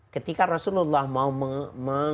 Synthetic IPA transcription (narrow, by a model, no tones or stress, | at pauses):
kət̪ikaɾasululːahmauməmə